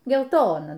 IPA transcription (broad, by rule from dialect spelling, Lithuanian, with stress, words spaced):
ɡʲɛlˠˈtoːnɐ